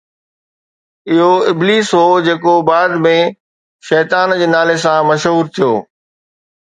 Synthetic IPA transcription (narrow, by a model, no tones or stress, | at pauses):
ɪɦoɪbliːsɦod͡ʑeːkobaːd̪mẽ | ʃɛːt̪aːnd͡ʑeːnaːles̬ãmɐʃɦuːɾt̪ʰijo̰ː